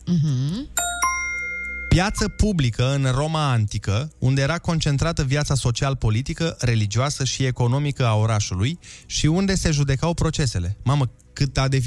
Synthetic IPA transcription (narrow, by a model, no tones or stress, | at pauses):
m̩ɦ̩ | pjat̪səpublikəɨnro̞maant̪ikəṵnd̪e̞jeɾako̞nt͡ʃe̞nt̪ɾat̪əvjat̪saso̞t͡ʃialpo̞lit̪ikəɾe̞lid͡ʒioasəʃie̞ko̞no̞mikəao̞ɾaʃulujʃiund̪e̞se̞ʒud̪e̞kawpɾo̞t͡ʃe̞se̞le̞mamə | kɨt̪ad̪e̞f